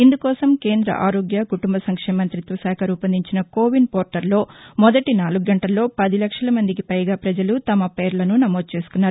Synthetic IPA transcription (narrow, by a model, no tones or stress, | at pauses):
ind̪ukɔːsɐmkeːnd̪ɾɐ̰ʔaːɾoːɡjɐkuʈumbɐsɐŋkʂeːmɐnt̪ɾit̪ʋɐsaːkʰɐɾuːpɐnd̪iɲt͡ʃinɐkoːʋinpoːɾʈɐɾlo̞ːmɔd̪ɐʈinaːluɡuɡɐɳʈɐlːo̞ːpɐd̪ilɐkʂɐlɐmɐnd̪ikipɐjɡaːpɾɐd͡ʒɐlut̪ɐmɐpe̞ːɾlɐnunɐmoːd̪̚t͡ʃeːsu̥kunːaːɾu